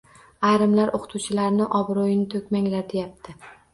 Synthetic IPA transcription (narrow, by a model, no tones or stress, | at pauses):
ajɾɪmlaɾʔoqʰɨ̥t̪ʰuwt͡ʃʰɪlaɾnɪʔɒbɾojɪnɪt̪ʰɵkʲmaŋlaɾd̪e̞jap̚t̪ʰɪ